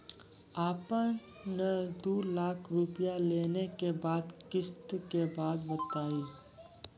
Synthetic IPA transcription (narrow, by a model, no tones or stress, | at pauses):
aːpən | nəd̪uːɾlaːkʰɾupjaleːnekebaːd̪kɪst̪kebaːd̪bət̪aːiː